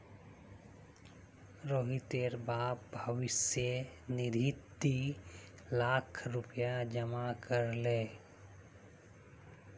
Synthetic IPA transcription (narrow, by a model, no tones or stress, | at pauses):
ɾoːɦit̪eɾbaːp̚bʱəʋɪsjənɪɾit̪ːi | laːkʰɾʊpjad͡ʒəmakəɾleː